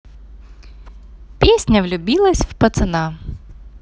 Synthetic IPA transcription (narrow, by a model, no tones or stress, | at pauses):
pʲesʲnʲɐwlʲʊbʲilˠɐsʲwpɐt̪sɪnɑ